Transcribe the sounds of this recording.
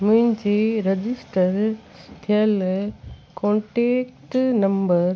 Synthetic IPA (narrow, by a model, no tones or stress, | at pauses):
muɲt͡ʃiɾed͡ʒɪsʈɐɾ | t̪ʰjɐl | koːɳʈeːkʈnɐmbɐɾ